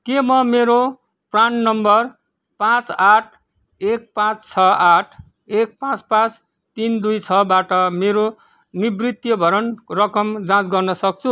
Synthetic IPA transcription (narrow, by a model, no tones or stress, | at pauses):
kemʌmeɾo | prannʌmbʌr | pãt͡saʈʰ | ek̚pãt͡st͡sʰʌaʈʰ | ek̚pãt͡spãt͡s | t̪ind̪ujt͡sʰʌbaʈʌmeɾo | nibrit̪jʌbʱʌɾʌnrʌkʌmd͡zãt͡sɡʌrnʌsʌk̚t͡sʰu